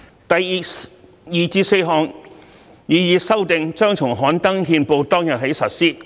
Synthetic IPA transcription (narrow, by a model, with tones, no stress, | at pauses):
t̪ɐ˨ji˨˧ | jiː˨˩t͡siː˧se˧jɦɔː˨˧ŋ | jiː˨˧jiː˨˧sɐ˥wt̪ɪ˨˧ŋt͡ʃœː˥ŋt͡sʰʊ˨˩ŋɦɔː˨˥nt̪ɐ˥ŋɦiː˧npo˨˧wt̪ɔː˥ŋjɐ˨t̚he˨˥jsɐ˨t̚siː˥